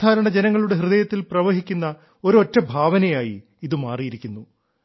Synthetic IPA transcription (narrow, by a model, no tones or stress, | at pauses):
aːɾɐɳɐd͡ʑenɐŋːɐɭuɽe̞ɦrɨðɐjɐt̪ːilprɐʋɐɦikʲːunːɐ | o̞ɾuotːɐbʱaːʋɐnɐjaːji | iðɨmaːrijiɾikʲːunːu